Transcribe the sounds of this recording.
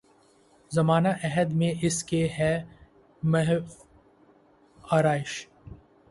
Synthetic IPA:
zɐmaːnaʔɛɦəd̪mẽɪskeɦɛ | mɐɦ | aːɾaːɪʃ

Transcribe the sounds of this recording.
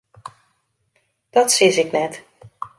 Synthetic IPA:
d̥ɔtsɪsɪknɛt

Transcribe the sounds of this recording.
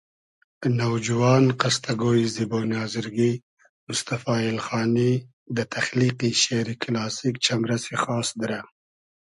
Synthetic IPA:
nawd͡ʒuwɑːnqast̪aɡoiziboːniɑːzɪɾɡi | mʊst̪afɑːɪlxɑːni | d̪ət̪ʰaxliqiʃeːɾiklɑːsikt͡ʃamɾasexɑːsd̪ɾa

